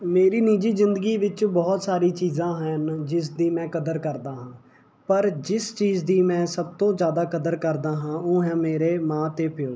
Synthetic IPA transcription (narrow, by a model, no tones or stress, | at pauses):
meːɾiːniːd͡ʒiːzɪnd̪əɡiːʋɪt͡ʃbɔːt̪saːɾiːt͡ʃiːzãːɦənd͡ʒɪs̬d̪iːmɛ̃ːkəd̪əɾkəɾd̪aːɦãː | pəɾd͡ʒɪst͡ʃiːzd̪iːmɛ̃ːsəb̚t̪õːzjaːd̪aːkəd̪əɾkəɾd̪aːɦãːoːɦɛ̃ːmeːɾeːmãːt̪eːpʰɪ